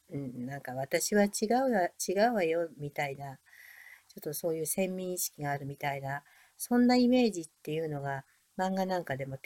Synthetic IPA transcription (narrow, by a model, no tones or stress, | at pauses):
ɯ̟̃ɴnãŋkaβat̪aɕiβat͡ɕiɡaɯ̟at͡ɕiɡaɯ̟βajo̞mʲit̪aina | t͡ɕo̞t̪ːo̞so̞ːjɯ̟ːsẽ̞mːʲĩɰ̃iɕi̥kʲiɡaːɾɯ̟mʲit̪aina | sõ̞nːaime̞ːʑit̪ːe̞jɯ̟no̞ɡa | mãŋɡanãŋkad̪e̞mo̞t